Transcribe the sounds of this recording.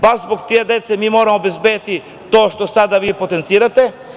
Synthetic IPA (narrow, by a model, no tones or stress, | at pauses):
baɾzboɡt̪ied̪et̪semiːmoːɾamoːbe̞zbed̪t̪i | t̪oːʃt̪o̞sad̪aʋiːpot̪ent̪siːɾat̪e